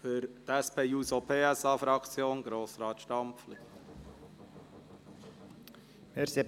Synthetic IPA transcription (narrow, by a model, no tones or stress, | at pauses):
fyɾtɛspʰeːuːsopʰeːɛsɑːfɾɑkt͡sjoːnɡ̥ɾoːsɾɑːt̪ʃtɑmpfli | meːɾse